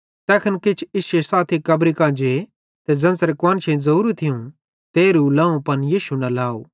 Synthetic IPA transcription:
t̪ɛːkʰɐnkɪt͡ʃʰɪsesaːt̪ʰikɐbɾikãːd͡ʒe | t̪ed͡zɐ̃nsɾekwɐ̃ːnt͡ʃʰẽzɐɾuːɾut̪ʰɪjũ | t̪eːɾulɐ̃ːũpɐnjiːsunɐlaːo̰ː

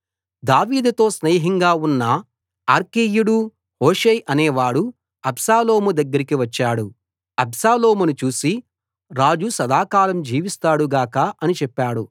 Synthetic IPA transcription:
d̪aːʋiːd̪ɐt̪o̞ːsneːɦiŋɡaːunːɐ | aːɾkejuɽu | hoːʂeːjʔɐneːʋaːɽu | ɐbsaːlo̞ːmud̪ɐɡːɐɾikiʋɐt͡ʃːaːɽu | ɐbsaːlo̞ːmunut͡ʃuːsi | ɾaːd͡ʒusɐd̪aːkaːlɐmd͡ʒiːʋist̪aːɽuɡaːkɐʔɐnit͡ʃɛpːaːɽu

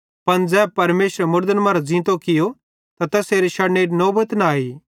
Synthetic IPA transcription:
pɐnd͡zɛːb̚pɐɾmeːsɾmʊɾd̪ənmɐ̃ːɾazĩːt̪okɪjo | t̪at̪ɛːseːɾiʃɐneːʈnoːbət̪naːiː

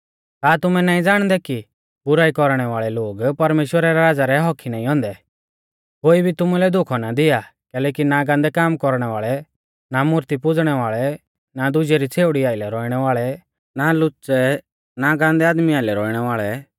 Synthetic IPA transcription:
t̪aːt̪ʊmɛnaːĩd͡zaːɽ̃d̪ɛki | bʊɾaːikɔɾɽ̃ɛʋaːɭɛloːɡpɐɾmeːʃwəɾaɾɛɾaːd͡zaɾɛɦɔkʰinaːĩɔ̃ːnd̪ɛ | koːibʱit̪ʊmulɛd̪ʊkʰɔnad̪ɪjakɛːlɛːkinaɡãːnd̪ɛkaːmkɔɾɽ̃ɛʋaːɭɛ | namʊɾt̪ipʊd͡zɽ̃ɛʋaːɭɛ | nad̪ʊd͡ʒɛɾit͡sʰeːʋɽiaːɪlɛɾɔiɽ̃ɛʋaːɭɛ | nalʊt͡sɛ | naɡãːnd̪ɛaːd̪miaːɪlɛɾɔiɽ̃ɛʋaːɭɛ

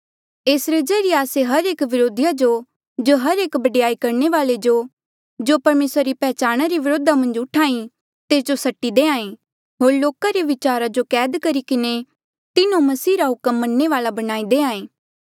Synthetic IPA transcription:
eːsɾed͡ʒɐɾijeaːseɦɐɾeːkʋɪɾoːd̪ʱɪjad͡ʒo | d͡ʒoɦɐɾeːkbɐɖɪjaːikɐɾneʋaːled͡ʒo | d͡ʒopɐɾmeːsɾaɾipɛːt͡ʃaːɽ̃aɾiʋɪɾoːd̪amɐ̃nd͡ʒʊʈʰaːĩ | t̪eːsd͡ʒosɐʈːid̪eːãːẽː | ɦoːɾloːkaɾeʋɪt͡ʃaːɾad͡ʒokɛːd̪kɐɾikɪne | t̪ɪnõmɐsiːɾaɦʊkəmːɐnːeʋaːlabɐñaːid̪eːãːẽː

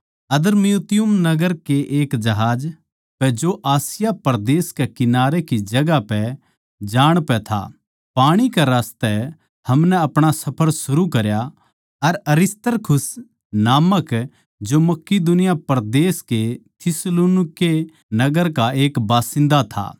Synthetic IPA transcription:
ɐd̪əɾmijut̪ɪjʊmnɐɡəɾkeʔeːkd͡ʒɐɦaːd͡ʒ | pɛd͡ʒoʔaːsɪjapɐɾd̪eːskekɪnaːɾekid͡ʒɐɡapɛ | d͡ʒaːɽ̃pɛt̪ʰa̰ | paːɽ̃ikaɾaːst̪ɛ | hɐmnɛɐpɽ̃asɐpʰəɾsʊɾukɐɾja | ɐɾɐɾɪst̪əɾkʰʊs | naːmək | d͡ʒomɐkːid̪ʊnɪjapɐɾd̪eːsket̪ʰɪsluːnɪke | nɐɡəɾkaeːkbaːsɪ̃nd̪at̪ʰa̰ː

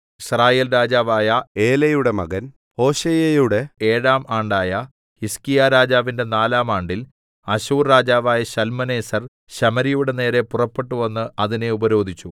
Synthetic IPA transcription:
iɕraːjeːlɾaːd͡ʑaːʋaːjɐeːlɐjuɽe̞mɐ̰ɣɐn | ho̞ːɕejejuɽe̞eːɻaːmaːɳɖaːjɐ | hiskijaːɾaːd͡ʑaːʋinde̞naːlaːmaːɳɖil | ɐɕuːrɾaːd͡ʑaːʋaːjɐɕɐlmɐne̞ːsɐr | ɕɐmɐɾijuɽe̞ne̞ːɾe̞purɐpːe̞ʈːuʋɐnːɨɐðine̞ubɐɾo̞ːd̪ʱit͡ɕːu

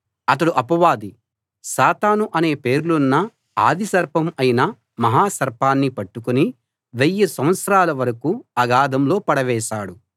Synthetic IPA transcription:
ɐt̪̬ɐɽuʔɐpɐʋaːd̪i | saːt̪aːnuʔɐne̞ːpe̞ːɾulunːɐ | a̰ːd̪ʱisɐɾpʰɐmɐjinɐ | mɐɦaːsɐɾpʰaːnːipɐʈːukuni | ʋejːɐsɐm̃ɐt̪sɐɾaːlɐʋɐɾɐkuɐɡaːd̪ɐmlo̞ːpɐɽɐʋɛːʃaːɽu

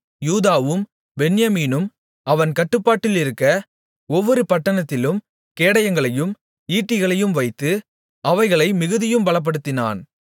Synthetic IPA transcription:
juːðaːʋɯm | bɛnjɐmiːnɯm | ɐʋɐnkɐʈːɯpːaːʈːɪlɪɾɯkːɐ | ɔʋːɔɾɯpɐʈːɐnɐt̪ːɪlɯm | keːɽɐjɐŋɡɐɭɐjɯm | iːʈːɪɣɐɭɐjɯmʋɐɪt̪ːɯ | ɐʋɐɪɣɐɭɐɪmɪɣɯðɪjɯmbɐɭɐp̬ːɐɽɯt̪ːɪna̰ːn

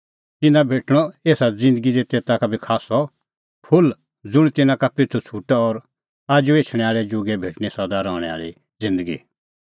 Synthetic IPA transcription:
t̪ɪnãbʱeːʈɽ̃ɔeːsad͡zɪ̃nd̪əɡid̪et̪eːt̪akabʱikʰaːsɔ | pʰʊl | d͡zʊɽ̃t̪ɪnãkapɪt͡sʰut͡sʰuʈaɔɾ | aːd͡ʒueːt͡ʃʰɽ̃ɛ̃aːɭɛd͡ʒʊɡɛbʱeːʈɽ̃isɐd̪aɾɔːɽ̃ɛ̰a̰ːɭḭ | d͡zɪ̃nd̪əɡḭ

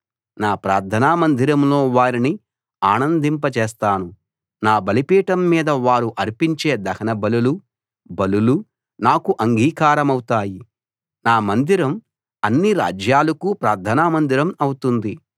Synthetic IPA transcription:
naːpɾaːɾd̪ʰʱɐnaːmɐnd̪ʱiɾɐmlo̞ːʋaːɾini | aːnɐnd̪impɐt͡ʃeːst̪aːnu | naːbɐlipiːʈɐmːiːd̪ɐʋaːɾuʔɐɾpiɲt͡ʃeːd̪ɐkʰɐnɐbɐlulu | bɐlulu | naːkuʔɐŋɡʱiːkaːɾɐmɐwut̪aːji | naːmɐnd̪iɾɐm | ɐnːiɾa̰ːd͡ʒjaːlɐkupɾaːɾd̪ʱɐnaːmɐnd̪iɾɐmɐwut̪und̪i

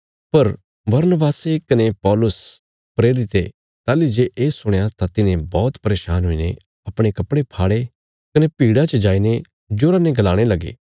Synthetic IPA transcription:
pɐɾ | bɐɾnəbaːsekɐnepɔːlʊs | pɾeːɾɪt̪e | t̪aːlid͡ʒeːʔeːsʊɽ̃jat̪at̪ɪnẽbɔːt̪pɐɾeːʃaːnɦʊinḛ | ɐpɽ̃ekɐpɽepʰaːɽe | kɐnepiːɽat͡ʃɐd͡ʒaːine | d͡ʒoːɾanẽɡɐlaːɽ̃elɐɡḛː

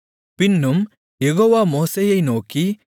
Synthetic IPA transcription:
pinːum | jeɣoːʋamoːsejɐjnoːki

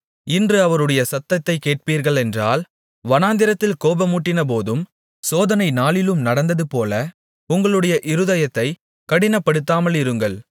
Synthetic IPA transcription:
ɪndrɯɐʋɐɾɯɽɐjɐsɐt̪ːɐt̪ːɐɪkeːʈ̚piːɾɣɐɭɛndra̰ːl | ʋɐnaːnd̪ɪɾɐt̪ːɪlkoːbɐmuːʈːɪnɐp̬oːðɯm | soːðɐnɐɪnaːlɪlɯmnɐɽɐnd̪ɐðɯpoːlɐ | ʊŋɡɐɭɯɽɐjɐʔɪɾɯðɐjɐt̪ːɐɪ | kɐɽɪnɐpːɐɽɯt̪ːaːmɐlɪɾɯŋɡɐɭ

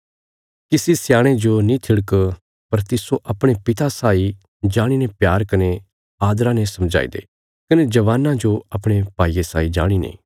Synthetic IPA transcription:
kisisjaːɽ̃ed͡ʒonĩt̪ʰɪɽk | pɐɾt̪ɪsoʔɐpɽ̃epɪt̪asaːi | d͡ʒaːɽ̃inepjaːɾkɐne | aːd̪ɾãnesɐmd͡ʒa̰ːḭd̪ḛ | kɐned͡ʒɐʋaːnãd͡ʒoɐpɽ̃epaːiːesaːid͡ʒaːɽ̃inḛ̃ː

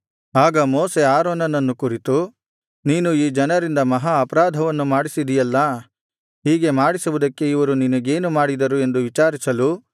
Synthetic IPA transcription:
aːɡɐmoːse̞aːɾoːnɐnɐnːukuɾit̪u | niːnuiːd͡ʒɐnɐɾind̪ɐmɐɦaɐpɐɾaːd̪ʱɐʋɐnːumaːɽisid̪ijɐlːɐ | ɦiːɡe̞maːɽisɐʋud̪ɐkːe̞iʋɐɾuninɐɡe̞ːnumaːɽid̪ɐɾue̞nd̪uʋit͡ʃaːɾisɐlu

